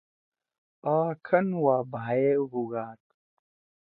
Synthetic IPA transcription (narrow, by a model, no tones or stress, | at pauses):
aːkʰɐnwaːbʱaːeɦuɡaːt̪